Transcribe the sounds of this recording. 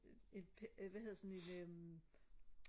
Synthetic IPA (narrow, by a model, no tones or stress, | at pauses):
e̝npʰʋæhe̝ðˠɐsɒne̝nøm